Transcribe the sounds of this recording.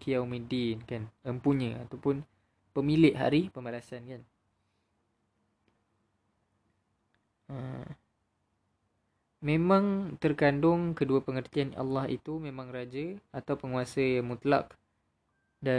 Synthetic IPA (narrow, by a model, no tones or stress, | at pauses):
kijawmĩdinkanəmpuɲə̃a̰t̪awpʊn | pəmilɪʔɦa̰ɾipəmbalasankan | ə | mẽmãŋt̪ərkandʊŋkəduapəŋərt̪ianʔa̰lːɑhḭt̪umẽmãŋrad͡ʒəat̪awpəŋuasəmut̪la̰k | da